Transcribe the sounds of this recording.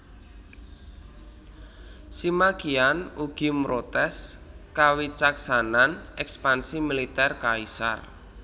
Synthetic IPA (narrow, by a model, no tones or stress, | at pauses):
simakianuɡ̥i̤mɾot̪ɛskawit͡ʃaksananɛkspansimilit̪ɛrkaisa̰r